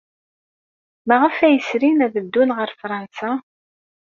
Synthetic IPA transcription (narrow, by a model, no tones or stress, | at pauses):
mæʁəfæjəsɾinæðəd̪ːunʁəɾˤfɾˤɑnsa